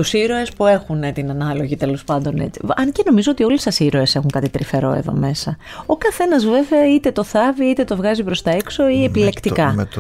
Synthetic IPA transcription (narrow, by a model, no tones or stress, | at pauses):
t̪usiɾo̞e̞spue̞xunet̪inɐnɐlo̞ʝit̪e̞lo̞spɐnd̪o̞nḛt͡siɐnce̞no̞mizoot̪io̞lisɐsiɾo̞e̞se̞xuŋkɐt̪it̪ɾife̞ɾo̞̰e̞̰ðo̞̰me̞sɐ | okɐθe̞nɐzvɾe̞veɐit̪e̞t̪o̞θɐviit̪e̞t̪o̞vɣɐzipɾo̞st̪ɐekso̞iepile̞kt̪ikɐ